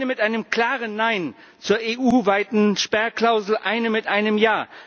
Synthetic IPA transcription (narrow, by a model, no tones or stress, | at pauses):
nəmɪtʔaɪnəmkl̥aːʁənːaɪn | t͡suːɐeːʔuːvaɪtn̩ʃpɛɐkl̥aʊzl̩ʔaɪnəmɪtʔaɪnəmjaː